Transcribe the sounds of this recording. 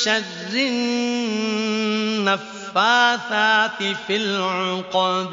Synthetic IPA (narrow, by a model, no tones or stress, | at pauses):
ʃarːɪ | afːaːθaːt̪ɪfɪlʕʊqɑːd̪